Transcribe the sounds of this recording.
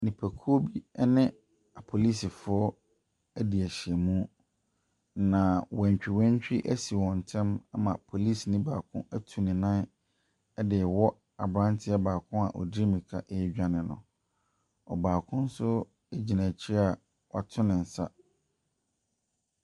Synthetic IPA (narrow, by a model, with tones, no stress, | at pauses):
nĩ˨pʰæ˨kʰu˦o˦bi˦ɛ˦nɪ̃˦ | a˨pʰo˨li˦si˨fʊ˨˦ɔ˦ | æ˦di˨æ˨ɕɛ˨mũ˦ | nã˨wɛ̃˨ɲ˨t͡ɕᶣi˨wɛ̃˦ɲ˦t͡ɕᶣi˦ʔæ˦si˨wɔ̃˨n̩˨tʰɛ̃˦ma˦mã˨pʰo˨li˦snɪ̃˦baː˨kʰʊ̰̃˦æ˦tʰu˨nɪ̃˨nã˦ | ɛ˦dɪ˨ɛ˨wɔ˦ | a̰˨bɾã˦ntʰɪ˦ɛ˦baː˨kʰʊ̃˦a̰˨ʔɔ̰˨di˦mĩ˨kʰa˦ʔɛ˦d͡ʑᶣa˦nɪ̃˨nʊ̰̃˨ | ɔ̰˨baː˨kʰʊ̃˦n̩˦sʊ˦ | e˦d͡ʑi˨næ̃˨t͡ɕʰɪ˦ɾɛ˦a˨ | wa˨tʰʊ̃˦nɪ̃˨n̩˨sa̰˦